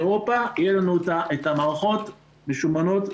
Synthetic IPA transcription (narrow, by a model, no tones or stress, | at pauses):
ʁopaijelanuotaʔe̞tamaʁaχo̞t | meʃumano̞t̪